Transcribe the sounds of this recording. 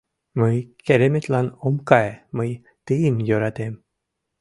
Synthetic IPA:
mɯjkeɾemet̪lanomkajemɯj | t̪ɨimjoɾat̪em

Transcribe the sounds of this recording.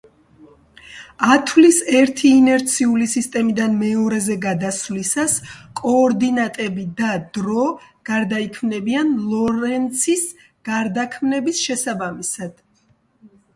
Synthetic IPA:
at̪ʰlisɛɾt̪ʰiːnɛɾt̪sʰiulisist̪ʼɛmid̪anmɛɔɾɛzɛɡad̪aslisaskʼɔːɾd̪inat̪ʼɛbid̪ad̪ɾɔ | ɡ̥aɾd̪aikʰmnɛbianlˠɔɾɛnt̪sʰis | ɡ̥aɾd̪akʰmnɛbisʃɛsabamisad̪̥

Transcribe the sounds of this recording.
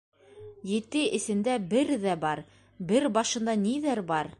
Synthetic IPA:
jɘ̆t̪ɘɘ̆sɘ̆nd̪æbɘɾðæbɑɾ | bɘɾbɑʃɤ̆nd̪ɑniðæɾbɑɾ

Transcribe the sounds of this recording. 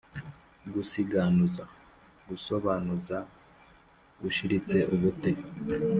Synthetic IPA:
ɡusiɡanuza | ɡuso̞βaːnuza | ɡuʃiɾit͡se̞ʔuβute

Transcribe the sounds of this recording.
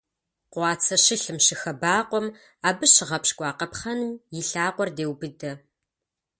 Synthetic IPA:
qʷɑːt͡sʰɐʃɪɬɨmʃɪxɐbaːqʷɔm | aːbɨʃɪʁɐpɕkʷʼɑːqɐpχɐnɨmjɪɬaːqʷɔrdeːwbɨdɐ

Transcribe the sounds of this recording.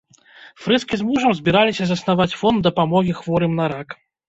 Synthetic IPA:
fɾɛskʲizmuʐɐmzʲbʲiɾalʲisʲɐzɐsnavat͡sʲfɔnd̪ɐpamɔɣʲixvɔɾɨmnɐɾak

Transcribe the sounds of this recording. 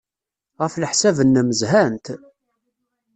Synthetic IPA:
ʁəfləħsævənːəməzhænt̪

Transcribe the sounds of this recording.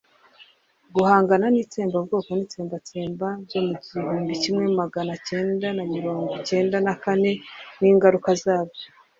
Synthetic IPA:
ɡuhaːŋɡananiːt͡se̞ːmbabɡo̞ːko̞niːt͡seːmbat͡seːmbazo̞muɟihuːmbicimŋe̞maɡanace̞ːndanamiɾo̞ːŋɡoce̞ːndanakane̞niːŋɡaɾukazaːβo

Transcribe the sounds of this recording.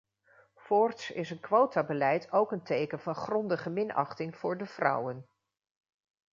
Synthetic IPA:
fɔɹtsɪ̰sənkʋowtabəlɛjtʰowkəntejkənvɑnχrɔndəχəmɪnɑ̰χtɪŋv̥ʊːɹdəv̥rʌ̰wən

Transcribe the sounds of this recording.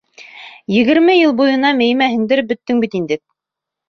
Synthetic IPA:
jɘ̆ɣɘ̆ɾmɘjɤlˠbujɤ̆nɑmɘ̆jmæɦɘ̆ŋd̪ɘɾbɵ̆t̪ːɘŋbit̪ind̪ɘk̚

